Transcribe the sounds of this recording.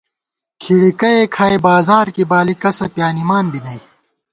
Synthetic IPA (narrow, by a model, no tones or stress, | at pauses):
kʰiɽikɐekʰaːebaːzaːɾkibaːlikɐsɐpjaːnimaːnbinɐi